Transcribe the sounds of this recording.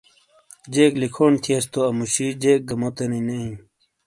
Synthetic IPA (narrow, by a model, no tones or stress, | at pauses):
d͡ʑeːklikʰoːnt̪ʰiest̪oɐmuɕid͡ʑeːk̚ɡɐmot̪enineĩ